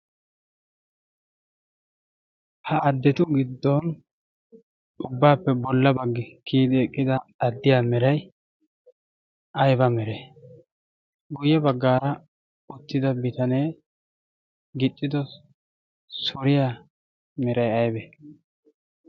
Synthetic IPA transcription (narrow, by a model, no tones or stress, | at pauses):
hɐʔɐd̪ːɛt̪ʊɡɪd̪ːɔn | ʔʊbːaːpːɛbɔlːɐbɐɡːɪkʰiːd̪ɪɛkʼːɪd̪ɐɐd̪ːɪjaːmɛɾɐj | ʔɐjbɐmɛɾɛ | ɡʊjɛbɐɡːaːɾɐ | ʊt̪ːɪd̪ɐbɪt̪ɐne̞ː | ɡɪt̪ʼːɪd̪ɔ | sʊɾɪjaː | mɛɾɐjɐjbɛ